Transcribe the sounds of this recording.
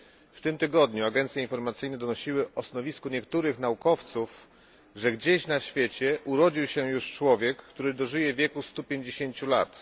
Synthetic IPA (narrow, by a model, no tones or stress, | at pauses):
ft̪ɘmt̪ɘɡɔd̪ɲuaɡɛnt̪sʲjɛinfɔɾmat̪sɘjnɛd̪ɔnɔɕiwɘɔsnɔvʲiskuɲɛk̚t̪uɾɘxnaukɔft̪suf | ʐɛɡd͡ʑeɕnaɕfʲjet͡ɕɛʔuɾɔd͡ʑiwɕɛjuʂt͡ʂwɔvʲjɛkːt̪uɾɘd̪ɔʐɘjɛvʲjɛkust̪upʲjeɲd͡ʑeɕeɲt͡ɕulat̪